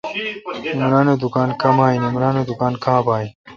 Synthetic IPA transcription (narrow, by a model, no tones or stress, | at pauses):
imɾaːnod̪ukaːnkɐmaːinimɾaːnod̪ukaːnkãːbaːi